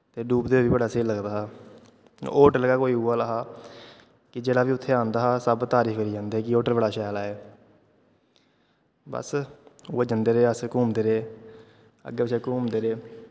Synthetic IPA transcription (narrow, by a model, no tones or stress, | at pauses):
t̪eːɖuːpd̪eːʋiːbəɽaːseːləɡd̪aːɦa̰ː | oːʈləɡaːkoːiːɦʊaːlaːɦaː | kɪd͡ʒeːɽaːʋiːʊt̪ʰːeːãːnd̪aːɦaːsəbt̪aːɾiːkʰeɾiːd͡ʒãːnd̪eːɛːkɪoːʈəɾbəɽaːʃaːlaːeː | bə̰sʊːeːd͡ʒənd̪eːɾeːəskuːmd̪eːɾeː | ə̰ɡːeːɪʃeːkuːmd̪eːɾeː